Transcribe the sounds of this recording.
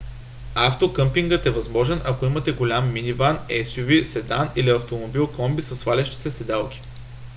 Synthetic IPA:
aft̪okɤmpiŋɡət̪ɛvɐzmɔʒɛnʔɐkoimɐt̪ɛɡolʲamːinivanɛsʲjuvisɛd̪aniliɐft̪omobilˠkɔmbisɐsvalʲɛʃt̪i̥sɛsɛd̪alˠkʲi̥

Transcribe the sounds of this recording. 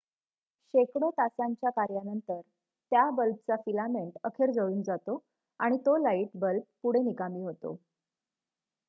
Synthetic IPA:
ɕekɽot̪asaɲt͡ɕjakaɾjanənt̪əɾ | t̪jabəlp̚t͡safilameɳʈəkʰeɾd͡zəɭuːnd͡zat̪o | aɽ̃it̪olaiʈbəlp̚puɽ̤enikamiːɦot̪o̰

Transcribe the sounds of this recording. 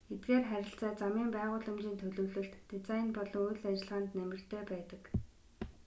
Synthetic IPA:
et̪̚ɡeːrχæɾʲɪ̆ɬt͡saːt͡samiːmpæːʁʊːɮə̆mt͡ɕiːnt̪ʰɵɮɵ̆ːwɮɵ̆ɬt̪ːet͡sajinpɔɮɞ̆ŋujɮat͡ɕɪ̆ɮʁaːnt̪næmʲɪ̆r̥t̪ʰeːpæːt̪ə̥̆k

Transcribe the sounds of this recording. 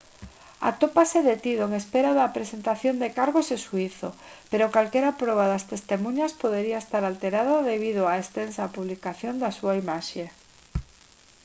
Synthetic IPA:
a̰t̪opaseðet̪iðoeŋespeɾaðapɾesent̪aθjond̪ekaɾɣozesuiθopeɾokalkeɾapɾɔβ̞aðast̪est̪emũɲaspoð̞eɾiaest̪aɾalt̪eɾaðaðeβ̞ið̞oaest̪ensapuβ̞likaθjond̪asuaimaʃe

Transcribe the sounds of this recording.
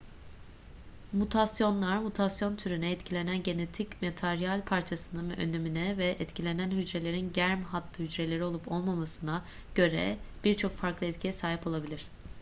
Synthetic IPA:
mut̪ʰasjo̞nlˠaɾmut̪ʰasjo̞nt̪ʰyɾynɛːt̪cʰilʲe̞nænɟe̞net̪ʰicmet̪ʰaɾjalʲpʰaɾt͡ʃʰasɯnɯnvɛʔø̰nd̪e̞minɛvɛʔɛt̪cʰilʲe̞nænɦyd͡ʒɾe̞lʲe̞ɾinɟæɾmɦat̪ʰlːˠɯhyd͡ʒɾe̞lʲe̞ɾio̞lˠupo̞lˠmamasɯna | ɟ̥ø̞ɾɛ̰b̥iɾt͡ʃʰo̞kfaɾklˠɯɛt̪cʰijɛsaːɦipo̞lˠabilʲiɾ̝̥

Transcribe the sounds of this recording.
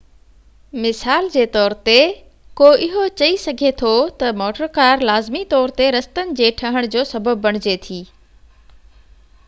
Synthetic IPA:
mɪsaːld͡ʑeːt̪ɔːɾt̪e | koʔɪɦot͡ɕɐisɐɡʱet̪ʰot̪ɐmɔːʈəɾkaːɾlaːzmit̪ɔːɾt̪eɾɐst̪ənɪ̆d͡ʑeːʈʰɐɦəɽ̃d͡ʑoːsɐbʱəbːɐɽ̃ɪd͡ʑet̪ʰiː

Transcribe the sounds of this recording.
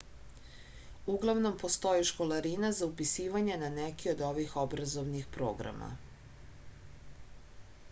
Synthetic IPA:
uɡlˠaʋno̞mpo̞st̪o̞jiʃko̞laɾinazaupisiːʋaɲe̞nanɛkio̞d̪o̞ʋixo̞bɾazo̞ʋnixpɾo̞̰ːɡɾa̰ma̰

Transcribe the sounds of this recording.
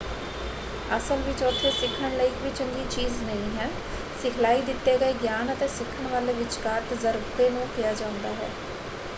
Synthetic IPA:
əsəlʋɪt͡ʃɔːt̪ʰːeːsɪkʰːəɳləiːkʋiːt͡ʃəŋɡiːt͡ʃiːznəĩːɦɛː | sɪkʰlaːiːd̪ɪt̪ːeːɡəeːɡjaːnət̪eːsɪkʰːəɳ̃ʋaːleːʋɪt͡ʃkaɾʈzəɾbt̪eːnũːkijaːd͡ʒãːʊ̃nd̪aːɦɛ̰ː

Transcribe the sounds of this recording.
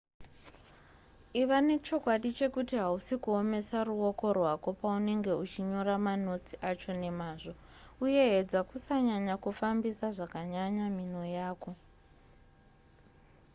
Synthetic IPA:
iʋane̞t͡ʃo̞kwaɗit͡ʃe̞kutiɦausikuome̞saruo̞ko̞rwako̞paune̞ŋɡe̞ut͡ʃiɲo̞ramano̞t͡si̥ʔat͡ʃo̞ne̞maːʐo̞uje̞ɦed͡zakusaɲaɲakufambisaʐakaɲaɲamino̞jaːko̞

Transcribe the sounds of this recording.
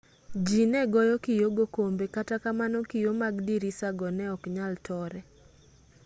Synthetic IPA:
d͡ʒinɛɡɔjɔkijoɡokombekatakamanɔkijomaɡdiɾisaɡɔnɛɔkɲaltʰɔɾɛ

